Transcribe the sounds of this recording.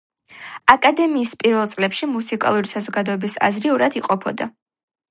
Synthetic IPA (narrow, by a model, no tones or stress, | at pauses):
akʼad̪ɛmiːspʼiɾvɛlˠt̪sʼlɛpʃimusikʼa̰lˠuɾisazɔɡad̪ɔɛbisa̰zɾiuɾad̪iqʼɔpʰɔd̪a